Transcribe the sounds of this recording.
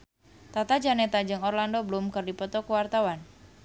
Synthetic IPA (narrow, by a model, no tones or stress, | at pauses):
t̪at̪ad͡ʒanɛt̪ad͡ʒɨŋɔrlandoblumkɨrdipɔt̪ɔkuwart̪awan